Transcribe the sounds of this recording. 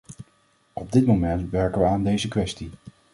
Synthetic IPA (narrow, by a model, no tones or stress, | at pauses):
ɔb̚dɪtmomɛntʋɛɹkəʋəaːndejzəkʋɛsti